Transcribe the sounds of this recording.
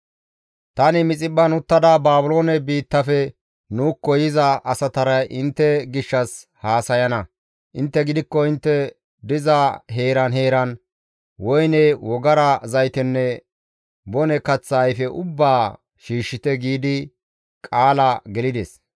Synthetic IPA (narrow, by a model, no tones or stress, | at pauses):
t̪ɐnɪmɪt͡sʼɪɓːɐnʊt̪ːɐd̪abaːbʊlo̞ːnɛbiːt̪ːɐfɛ | nuːkːɔjɪzɐʔɐsɐt̪ɐɾɐjʔɪnt̪ːɛɡɪʃːɐshaːsɐjɐnɐ | ʔɪnt̪ːɛɡɪd̪ɪkːɔɪnt̪ːɛ | d̪ɪzɐɦe̞ːɾɐnɦeːɾɐn | wɔjnɛwɔɡɐɾɐzɐjt̪ɪnːɛ | bɔnɛkɐt͡sːɐːjfɛʔʊbːaː | ʃiːʃːɪt̪ɛɡiːd̪ɪ | kʼaːlɐɡɛlɪd̪ɛs